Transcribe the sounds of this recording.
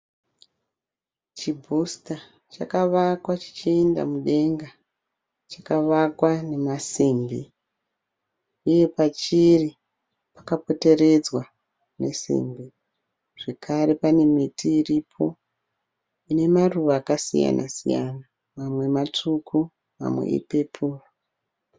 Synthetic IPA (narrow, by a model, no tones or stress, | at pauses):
t͡ʃibʱusta | t͡ʃakaʋakwat͡ʃi̥t͡ʃienda̰muɗe̞ŋɡa | t͡ʃakaʋakwane̞masiːmbi | uje̞pat͡ʃiri | pḁkapo̞te̞ɾe̞d͡zwa | ne̞̰sḭmbi | ʐ̥e̞kʰaɾe̞pane̞mitiːripʰo̞ | ine̞maruʋaːkasḭja̰nʔa̰sḭja̰na | mamwe̞mat͡ʂukʰu | ma̰mwḛḭpe̞pʰuːro